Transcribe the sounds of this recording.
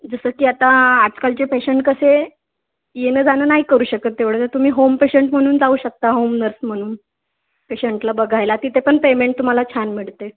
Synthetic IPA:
d͡zəsəːkiːat̪aːd͡zkalt͡ɕepeɕeɳʈ̚kəse | jenəːd͡zanəːnaɦikəɾuːɕəkət̪ːeʋɽət̪ət̪um̤iːɦompeɕeɳʈm̤əɽ̃uːnd͡zauːɕək̚t̪aɦomnəɾsm̤əɽ̃uːn | peɕeɳʈlabəɡʱajlat̪it̪ʰepəɳpemeɳʈ̚t̪um̤alat͡ɕʰanmiɭt̪e

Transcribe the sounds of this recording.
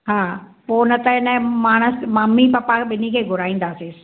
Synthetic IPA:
ɦaːpoːnɐt̪ɐɦɪnəmaːɽ̃əsmaːmipɐpaɓɪnikʰeːɡʱʊɾaːĩːnd̪aːsis

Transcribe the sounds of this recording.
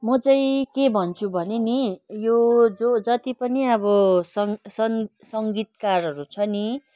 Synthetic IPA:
mʌd͡zʌ̃j̃kebʱʌnt͡sʰubʱʌnenijod͡zod͡zʌt̪ipʌniʌbʌsʌŋsʌnsʌŋɡit̪kaɾʌɾut͡sʰʌni

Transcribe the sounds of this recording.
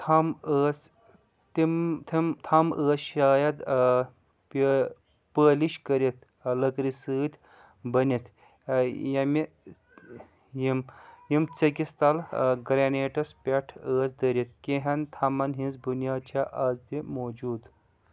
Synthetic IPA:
t̪ʰɐməːs | t̪imt̪ʰimt̪ʰɐməːsʃaːjɐd̪ | p | pəːliʃkɐɾʲet̪ | lɐkɾisɨːt̪ʰʲ | bɐnʲit̪ʰ | jɐmi | jimjimt͡sɐkʲist̪ɐlɡɾaːneːʈɐspʲeʈʰəːsd̪əɾit̪̚kʲeɦɐnt̪ʰɐmɐnɦĩnzbunjaːt͡ʃʰaʔaːzt̪imoːd͡ʒuːd̪

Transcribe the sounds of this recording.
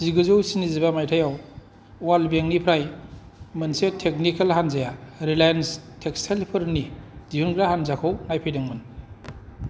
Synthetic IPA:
ziɡɯzowsinizibamajtʰajaw | walbeŋnipʰɾajmɯnsetʰek̚nikalɦanzajaɾilajanstʰekstʰelpʰɯɾnid̥iunɡɾaɦanzakʰownajpʰajdɯŋmɯn

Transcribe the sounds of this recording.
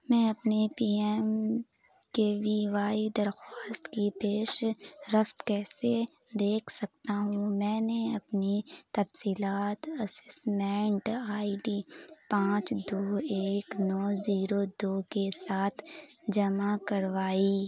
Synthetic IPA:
mɛ̃ːɐpnepiːɛːm | kebʱiʋaːid̪ɐɾxaːst̪kipeːʃɾəft̪kɛːse | d̪eːkʰsɐk̚t̪aɦũmɛ̃ːneɐpnit̪ɐfsiːlaːt̪ɐsɪsmɛ̃ːɳʈaːiɖiːpãːt͡ʃd̪oːeːknɔːziːɾod̪oːkesaːt̪ʰd͡ʒɐmakɐɾʋaːiː

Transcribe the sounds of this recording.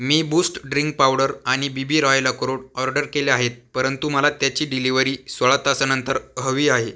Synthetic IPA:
miːbusʈɖɾiŋk̚pawɽəɾaɽ̃ibibiːɾajləkɾoɽɔɾɖəɾkeleaɦet̪̚pəɾənt̪uməlat̪jat͡ɕiːɖiliʋəɾiːsʋəɭat̪asanənt̪əɾɦəʋiːaɦe

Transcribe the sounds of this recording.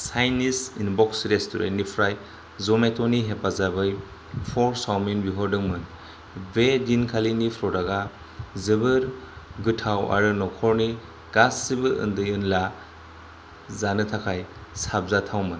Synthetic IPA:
sajnisinbɔksɾestuɾḛnːipʰɾaj | zɔmetɔniɦepazabɯj | pʰɔɾsawminbiɦɔɾdɯŋmɯn | bedinkʰalinipʰɾɔɾaɡa | zɯbɯɾɡɯtʰawa̰ɾɯnɔkʰɔɾni | ɡ̥asːibɯʔɯ̰ndɯjɯnla | zanɯtʰakʰajsab̚zatʰawmɯn

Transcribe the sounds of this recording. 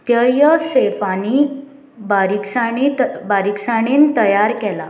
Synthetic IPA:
t̪jəjəsefani | baɾiksaɽ̃itbaɾiksaɽ̃iːnt̪əjaɾkɛla

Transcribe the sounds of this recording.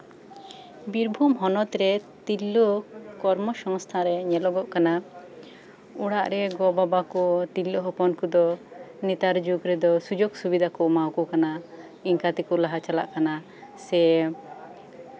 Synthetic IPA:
biɾbʱumɦɔnɔt̪ɾɛt̪ilːɔkɔɾmɔsɔŋst̪ʰaɾɛɲɛlɔɡɔʔkana | uɽaʔɾɛɡɔbabakɔt̪ilːɔɦɔpɔnkud̪ɔnit̪aɾd͡ʒuɡɾɛd̪ɔsud͡ʒoɡsubid̪ʱakɔʔmawkɔkana | iŋkat̪ikɔlaɦat͡ʃala̰ʔkana | sɛ

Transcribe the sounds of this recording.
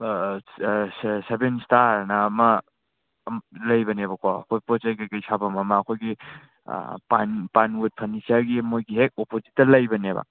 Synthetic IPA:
ssebenstaɾnamɐ | mlɐjbɐneβɐkʰaɐ̰kʰojpɔt͡ʃajɡakajsʰabɐmɐmɐːkʰojɡḭ | panpanut̚pʰɐnisaɾɡimojɡiɦek̚opʰozitːɐlɐjbɐnebɐ̰

